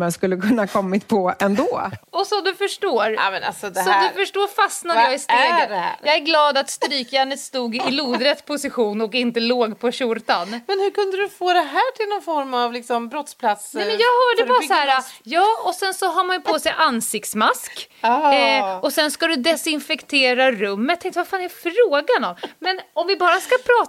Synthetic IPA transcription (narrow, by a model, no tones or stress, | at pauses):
mɛnskɵlːəkʰɵnːakʰɔmːɪt̪pʰɔɛnd̪oːɔsɔmd̪ɵfœʂʈoːɾ̰mɛna̰sɔd̪ɛsɔmːd̪ɵfœʂʈoːɾfasnadjɑːɡɪst̪eːɡjɑːɡæɾɡlɑːd̪at̪st̪ɾyːkjanət̪st̪uːɡɪluːd̪ɾət̪spʰʊsɪɧuːnɔkɪnt̪əloːɡpʰɔɕʊɾt̪anmɛnhɵɾkɵnd̪əd̪ɵfoːd̪ɛɦæːʈʰɪlnɔnfɔɾmavlɪksɔmbɾɔt̪spʰlat̪sɛmɛnjɑːɡhœːɖəbɑːɾsahæːɾajɑːɔsɛnsɔɦɑːɾmanjʏpʰoːsɛjʔansɪkt̪smask | ɔsɛnskad̪ɵd̪ɛsɪnfɛkt̪ʰeːɾaɾɵmːət̪ʰɛ̃ŋkt̪vafaːnɛɾfɾoːɡanɔmmɛnɔmvɪbɑːɾaskapʰɾɑː